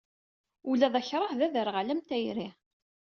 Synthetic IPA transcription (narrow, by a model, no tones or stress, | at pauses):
ulæðæçɾˤɑhðæðəɾʁalæmt̪æjɾi